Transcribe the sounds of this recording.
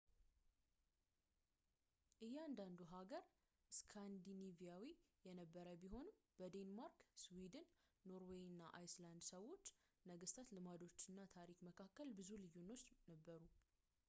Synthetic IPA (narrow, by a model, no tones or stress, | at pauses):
ʔɨjːɛand̪and̪uɦaɡəɾ | ɨskʰand̪inivijawijɛnəbːəɾəbiɦo̞nɨmb̥əd̪enmaɾkswid̪ɨnːo̞ɾwejɨnːaʔajsland̪səwo̞t͡ʃː | nəɡɨst̪ʰat̪lɨmad̪o̞t͡ʃːɨnːat̪ʰaɾikməkʰakːəlbɨzulɨjunːo̞t͡ʃːnəbːəɾu